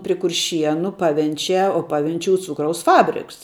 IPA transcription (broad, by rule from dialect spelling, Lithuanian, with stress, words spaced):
pʲrʲɪ kʊrʲˈʃʲiɛnʊ ˈpɑːʋʲɛnʲt͡ʃʲæː oː ˈpɑːʋʲɛnʲt͡ʃʲuːs ˈt͡suːkrɐʊs ˈfɑːbʲrʲɪks